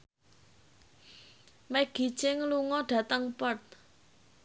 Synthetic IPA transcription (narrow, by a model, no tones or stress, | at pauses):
mɛɡ̥i̤̥t͡ʃɪŋluŋɔɖ̥ä̤t̪əŋpɔt̪̚